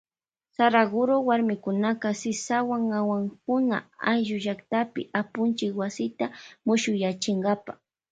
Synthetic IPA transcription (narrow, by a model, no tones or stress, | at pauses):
saɾaɡʊɾowaɾmɪkʊnakasɪsawaŋawaŋkʊna̰ajʒʊʒakt̪apɪ̰ʔapʊnt͡ʃɪkwasɪt̪amʊʃʊjat͡ʃɪŋɡapa